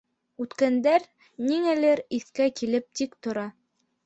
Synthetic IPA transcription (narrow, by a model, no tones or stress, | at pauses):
ʉt̪kænd̪æɾ | niŋælɘɾiθkækilɘp̚t̪ikt̪ŏɾɑ